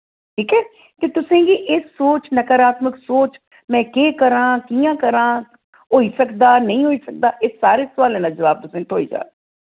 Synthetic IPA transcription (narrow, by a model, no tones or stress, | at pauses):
ʈʰiːkɛː | t̪eːt̪ʊsẽːɡiːʔɪːsoːt͡ʃnəkəɾaːt̪məksoːt͡ʃ | mɛ̃ːkeːkəɾãːkiːjãːkəɾãː | ɦoːiːsəkd̪aːnəĩːɦoːiːsək̚d̪aːʔeːsaːɾeːsʊʋaːlɛ̃ːnaːd͡ʒəʋaːb̚t̪ʊsẽːt̪ʰo̰ːḭːd͡ʒa̰ː